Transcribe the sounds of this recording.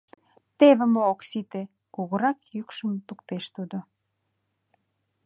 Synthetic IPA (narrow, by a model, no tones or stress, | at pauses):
t̪eβə̆mooksit̪e | kuɣəɾɑkjykʃəmt̪ukt̪eʃt̪ud̪o